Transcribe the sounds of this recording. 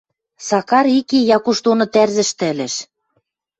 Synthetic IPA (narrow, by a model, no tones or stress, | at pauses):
sɑkɑɾikijɑkuʃt̪onɤ̆t̪ærzɘ̆ʃt̪ɘ̆ɘ̆lɘ̆ʃ